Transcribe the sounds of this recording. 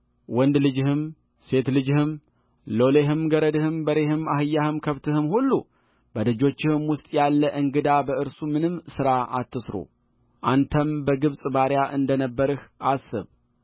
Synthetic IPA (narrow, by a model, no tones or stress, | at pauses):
wɔnd̪lɨd͡ʒɪhɨm | se̞t̪lɨd͡ʒɪhɨm | lo̞leɦɨmɡəɾəd̪ɨhɨmbəɾe̞hɨmahɨjːahɨmkʰəβt̪ʰɨhɨmhulːu | b̥əd̪ɨd͡ʒo̞t͡ʃːɪhɨmwʊst̪ʼjalːəʔɨŋɡɨd̪abəʔɨɾsumɨnɨmsɨɾaʔa̰t̪ːɨsɾo̰ | ʔant̪ʰəmbəɡɨβsʼbaɾjaʔɨnd̪ənəbːəɾɨhʔasːɨ̰β